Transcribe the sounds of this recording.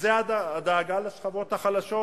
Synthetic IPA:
zeaad̪aːɡaleʃχavo̞t̪haχalaʃo

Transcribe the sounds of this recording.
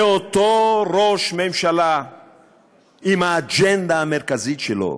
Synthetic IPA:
ot̪oʁoʃmemʃala | imaːd͡ʒend̪aːmeʁkazit̪ʃelo̰

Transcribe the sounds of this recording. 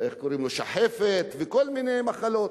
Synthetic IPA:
eχkoɾimloʃa̰ħefet̪vekolminejmaχalo̞t̪

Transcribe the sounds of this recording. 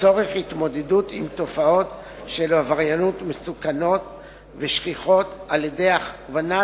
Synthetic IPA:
t͡so̞ʁeχhit̪mo̞dedutimt̪o̞fao̞t̪ | ʃelhavaʁjanutmesukano̞t | veʃχiχo̞t̪aljedeaχvana

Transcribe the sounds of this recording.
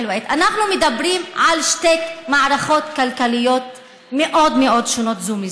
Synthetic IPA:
lwʔet̪anaχnumed̪abɾimʕalʃt̪ekmaʕɾaχot̪kalkalijot̪ | meʔod̪meʔod̪ʃonot̪zumi

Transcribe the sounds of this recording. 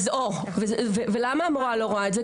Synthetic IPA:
zo | vezvevelamaːmoʁaloʁoaetze

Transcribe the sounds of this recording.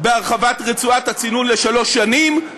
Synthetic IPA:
beaʁχavatʁet͡suathat͡sinunle̞ʃalo̞ʃːanim

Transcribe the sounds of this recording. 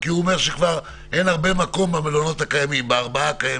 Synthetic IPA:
kiuome̞ʁʃekvaʁ | ʔe̞naʁbe̞mako̞mbamelono̞thakajamimbeaʁbaakaje

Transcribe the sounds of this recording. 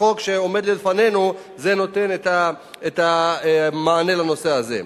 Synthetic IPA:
o̞kʃeome̞d̪lilefanenu | ze̞no̞te̞neta | eta | maːne̞lano̞seazḛ

